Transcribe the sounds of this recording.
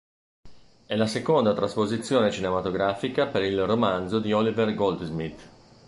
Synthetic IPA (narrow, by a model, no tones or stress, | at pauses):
ɛlasekond̪at̪ɾaspozit̪sːjoːnet͡ʃinemat̪oɡɾaːfikapeɾilromand̪zod̪iɔliverɡold̪zmit̪ː